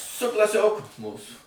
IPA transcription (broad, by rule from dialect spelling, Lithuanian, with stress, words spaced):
sʊ klˠɐˈsʲoːkʊ ˈmuːsuː